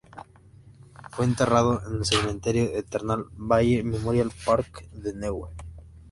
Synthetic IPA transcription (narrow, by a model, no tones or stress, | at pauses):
fweːnt̪e̞rað̞oʔenelseɣmẽnt̪eɾjoðet̪eɾnalβaʝememoɾjalpaɾkðenewe